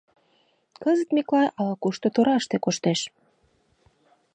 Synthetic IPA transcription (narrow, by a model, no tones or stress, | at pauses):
kəzət̪meklɑjʔɑlɑkuʃt̪ot̪oɾɑʃt̪ekoʃt̪eʃ